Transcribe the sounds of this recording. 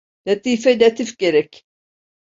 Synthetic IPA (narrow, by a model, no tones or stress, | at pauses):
lʲat̪iːfɛlʲat̪ʰifɟ̥eɾɛcʲ